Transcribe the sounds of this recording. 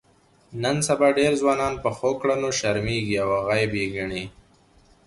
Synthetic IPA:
nənsabɑɖeɾzwɑːnɑːnpəxokɽanoʃaɾmeɡiawaɣajbeɡaɳi

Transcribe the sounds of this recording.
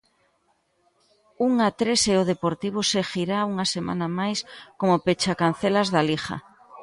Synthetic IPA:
uŋat̪ɾeseoðepoɾt̪iβ̞ʊsexiɾauŋasemʔa̰namajskomopet͡ʃakan̟θelazðalixa̰

